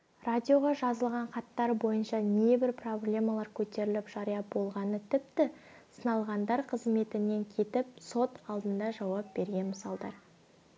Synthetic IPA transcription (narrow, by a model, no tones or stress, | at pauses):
radʲijo̞ʁɑʒɑzəlˠʁɑɴqɑt̪ːɑɾbo̞jənʃɑne̞bɪɾpro̞blʲe̞mɑlˠɑɾkʲʰɵt̪e̞ɾɪlɪpʒ̥ɑɾijɑbo̞lˠʁɑnət̪ʰɪp̚t̪ɪ | sənɑlˠʁɑnd̪ɑɾqʰəzme̞t̪ɪne̞ŋkʲʰe̞t̪ɪp̚so̞t̪ɑlˠd̪ənd̪ɑʒɑwɑp̚be̞ɾɡʲe̞nməsɑlˠd̪ɑ̰ɾ